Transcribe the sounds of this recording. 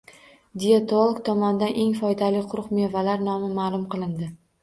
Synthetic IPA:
d̪iet̪olˠoɡt̪ʰɒmɒnɪd̪anʔe̞ŋfɒjd̪alɪqʰʊɾʊqme̞valaɾnɒmɪmaːlˠʊmqʰɨlˠɪnd̪ɪ

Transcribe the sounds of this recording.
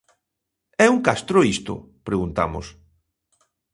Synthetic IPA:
ɛuŋkast̪ɾʊist̪ʊ̰ | pɾeɣunt̪a̰mʊs

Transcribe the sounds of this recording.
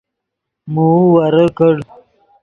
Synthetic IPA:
muwaɾəkəɽ

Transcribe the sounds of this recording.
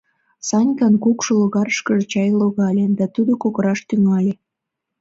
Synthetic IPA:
sɑnʲkɑnkukʃoloɣɑɾəʃkəʒet͡ɕɑjloɣɑlʲed̪ɑt̪ud̪okoɣəɾɑʃt̪yŋɑlʲe

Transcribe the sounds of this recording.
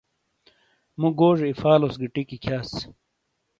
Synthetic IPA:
muɡoːʐeifaːlosɡiʈikikʰaːs

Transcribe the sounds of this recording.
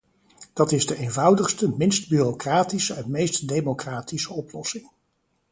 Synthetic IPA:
d̥ɑtɪzdəʔeːjnvʌwdəχstəmɪnstbyrokraːtisəɛnmejstdejmokraːtisəɔplɔsɪŋ

